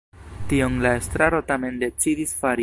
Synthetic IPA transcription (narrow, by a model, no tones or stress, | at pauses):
tio̞nlae̞st̪ɾaɾo̞tame̞nde̞t͡sidisfaɾi